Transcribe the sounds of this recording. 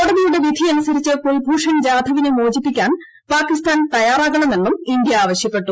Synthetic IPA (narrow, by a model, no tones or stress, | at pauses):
koɽɐðijuɽe̞ʋjid̪ʱiɐnusɐɾit͡ɕːɨkoɭpuːʂɐnd͡ʑaːd̪ʱɐʋinɨmoːd͡ʑipːikʲːaːn | paːkːist̪aːnt̪ɐjaːraːɣɐɳɐmenːumind̪jɐaːʋɐɕjɐpːe̞ʈːu